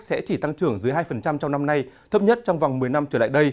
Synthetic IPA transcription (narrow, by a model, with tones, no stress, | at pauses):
sɛ̰˧˥t͡ɕi˧˩t̪a˧ŋt͡ɕɨ˧˩əŋzɨ˨˦jɦaː˧jfə˨˩nt͡ɕa˧mt͡ɕɔ˧wŋ͡mna˧mna˧jt̪ʰə˦˥p̚ɲə˦˥t̚t͡ɕɔ˧wŋ͡mva˨˩wŋ͡mmɨ˨˩əjna˧mt͡ɕəː˧˩la̰ː˧˨jɗə˧j